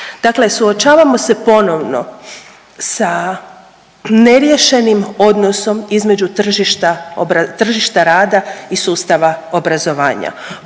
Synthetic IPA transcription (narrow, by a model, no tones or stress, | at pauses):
d̪̥akle̞suot͡ʃaːʋamo̞se̞po̞no̞ʋno̞̰ | sa | ne̞ɾjeʃe̞nimo̞d̪no̞so̞mizme̞d͡ʑut̪r̩ʒiʃt̪aoɾat̪r̩ʒiʃt̪aɾaːd̪aisuːst̪aʋaobɾazo̞ʋa̰ːɲa̰